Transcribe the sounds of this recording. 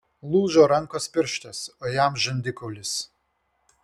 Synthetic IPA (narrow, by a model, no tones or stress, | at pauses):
lˠuːʒoːɾɐŋˑkoːspʲɪɾʲʃʲt̪ʲɛsojæmʒʲɐnʲd̪ʲɪkɔʊlʲɪs